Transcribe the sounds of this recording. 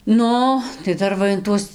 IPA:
ˈnʊ tɐɪ ˈdɐr ʋɐ ɪn ˈtuɔs

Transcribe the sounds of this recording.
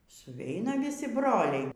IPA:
sʊˈʋʲɛɪnɐ ʋʲɪˈsʲɪ ˈbroːlʲɛɪ

